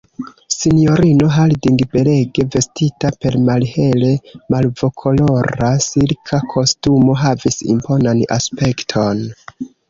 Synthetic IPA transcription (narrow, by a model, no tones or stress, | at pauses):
sinijo̞ɾino̞ɦaldiŋɡbe̞le̞ɡe̞ve̞stitape̞ɾmalhe̞le̞malvo̞kʰo̞lo̞ɾasilkʰakʰo̞stumo̞ɦavisḭmpo̞nana̰spe̞ktʰo̞n